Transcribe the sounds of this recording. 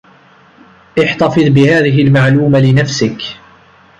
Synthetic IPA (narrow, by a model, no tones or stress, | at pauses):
ʔɪħt̪ɑfɨðˤbɪhaːðɪɦɪlmaʕluːmalɪnafsɪk